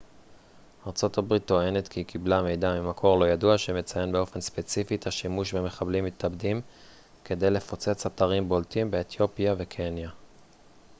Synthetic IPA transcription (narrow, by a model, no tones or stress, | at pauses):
aʁt͡so̞tabʁit̪ːo̞e̞ne̞tkikʰiblame̞jdamimakʰo̞ʁlo̞jaduaʃeme̞t͡saje̞nbeo̞fe̞nspe̞t͡sifitaʃimuʃveme̞χablimːit̪abdim | ke̞d̪e̞jle̞fo̞t͡se̞t͡sataʁimbo̞ltimbeːt̪jo̞pjave̞kʰe̞nja